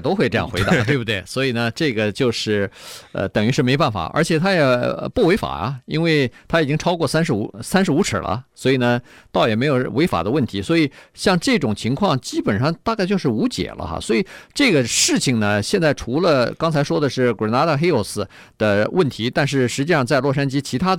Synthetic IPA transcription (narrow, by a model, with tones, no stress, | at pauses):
t̪o˥ʊxwe˥˧ʈ͡ʂɤ˥˧jɑ˥˩ŋxwe˧˥ɪt̪a˧˥˧t̪we˥˩bu˧t̪we˥˩ɪswɔ˧˥i˨˩nə˦ʈ͡ʂɤ˥˩ɡə˩t͡ɕjo˥˧ʊʂɻ̩˥˩ə̰˧t̪ə˨˩ŋy˧˥ʂɻ̩˥˩me˥˧pa˥˩nfa̰˨˩ʔə̰˞˧˥t͡ɕʰjɛ˨˩t̪ʰa˥jɛ˨˩əpu˥˩we˧˥ɪfa̰˨˩ɐ̰˦i˥nwe˥˩ɪt̪ʰa˥i˨˩t͡ɕi˥ŋʈ͡ʂʰɑ˥ʊkwɔ˥˩sa˥nʂɻ̩˧˥u˧˥sa˥nʂɻ̩˧˥u˧˥ʈ͡ʂ̩ʰ˨˩lʔə̰˦swɔ˧˥i˨˩nə˦t̪ɑ˥˩ʊjɛ˨˩me˧˥ɪjo˨˩we˧˥ɪfa̰˨˩d̪ə˦wə˥˩nt̪ʰi˧˥swɔ˧˥i˨˩ɕjɑ˥˧ŋʈ͡ʂɤ˥˩ʈ͡ʂʊ˨˩ŋt͡ɕʰi˧˥ŋkʰwɑ˥˩ŋt͡ɕi˥pə˨˩nʂɑ˥˧ŋt̪a˥˧ka˥˧ɪt͡ɕjo˥˧ʊʂɻ̩˥˩u˧˥t͡ɕjɛ̰˨˩lʔə̰˦xa̰˥˩swɔ˧˥i˨˩˦ʈ͡ʂɤ˥˩ɡə˩ʂɻ̩˥˩t͡ɕʰi˩ŋnə˩ɕjɛ˥˧nt͡sa˥˩ɪʈ͡ʂʰu˧˥lə˧kɑ˥ŋt͡sʰa˧˥ɪʂwɔ˥d̪ə˨ʂɻ̩˥˩kwə˨˩na˧˥d̪ə˥˧xe˥ɪo˥˩sɹ̩˧ | d̪̥ə˧wə˥˩nt̪ʰi˧˥t̪a˥˧nʂɻ̩˥˩ʂɻ̩˧˥t͡ɕi˥˧ʂɑ˥˧t͡sa˥˧ɪlwɔ˥˩ʂa˥nt͡ɕi˥t͡ɕʰi˧˥a˥